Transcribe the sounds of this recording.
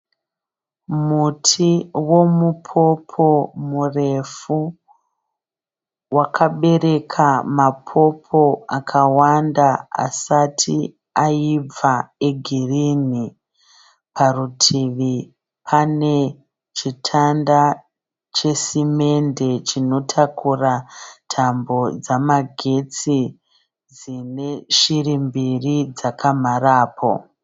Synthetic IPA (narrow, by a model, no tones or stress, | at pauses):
mutʰiwo̞mupʰo̞pʰo̞mure̞fu | wakʰaɓe̞ɾe̞kʰamapʰo̞pʰo̞akʰawandaa̰satʰi | aib͡vaeɡʱirini | pʰarutʰiʋi | pʰane̞ | t͡ʃitʰanda | t͡ʃe̞sime̞nde̞t͡ʃino̞tʰakʰuratʰambo̞d͡zamaɡʱe̞t͡si | d͡zine̞ʃirimbirid͡zakʰam̤araːpʰo̞̰